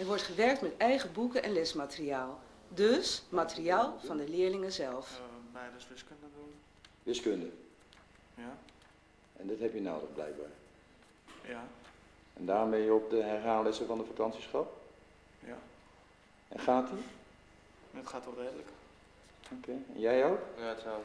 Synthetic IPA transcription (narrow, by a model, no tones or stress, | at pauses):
ɛɹʋɔɹtχəʋɛɹk̚tmɛtɛjχəbukəʔɛnlɛsmatəriaːlˠ | dɵsmatəriaːlˠv̥ɑndəlɪːɹlɪŋəzɛlˠfbɛdəsʋɪskəndədun | ʋɪskøndə | ja | ʔɛndɑtɦɛpjəno̰ːdəχblɛ̰jk̚baːɹ | ɛndaːrɔmbɛnjəɔp̚dəɦɛɹɦaːlɪsəvɑndəfakɑntsisχɔp | j | ɛnχaːti | ətχaːtoreːdlək | keɛ̰njɛjowk